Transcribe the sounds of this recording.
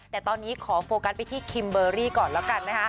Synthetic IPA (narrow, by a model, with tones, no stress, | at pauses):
t̪ɛː˨˩t̪ɔː˧nːiː˦˥kʰɔː˩˦foː˧ka˦˥spa˧jt̪ʰiː˥˩kʰi˧mbɤː˧ɾiː˥˩kɔː˨˩nlɛ˦˥wka˧nːa˦˥kʰa˦˥